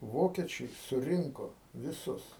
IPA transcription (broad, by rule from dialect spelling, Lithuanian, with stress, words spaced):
ˈʋoːkʲɛt͡ʃʲɛɪ sʊˈrʲɪŋkoː ʋʲɪˈsʊs